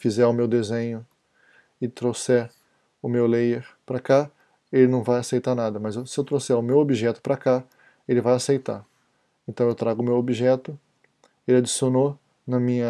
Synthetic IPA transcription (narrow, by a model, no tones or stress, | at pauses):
fizɛʊmewd̪ezẽɲʊ | ɪt̪ɾosɛ | ʊmewlejeɾpɾɐka | elɪnɐ̃w̃vajasejt̪aɾnad̪ɐmɐzewsɪewt̪ɾosɛʊmewobiʒɛt̪ʊ̥pɾaka | elɪvajasejt̪a̰ | ẽnt̪ɐ̃w̃ewt̪ɾaɡʊmewobiʒɛt̪ʊ | elad͡ʒisiono | nɐmĩɲɐ